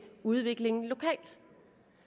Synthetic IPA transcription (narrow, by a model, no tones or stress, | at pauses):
uð̞ˠʋe̝ɡ̥le̝ŋn̩lo̝kʰɛ̰ːld̥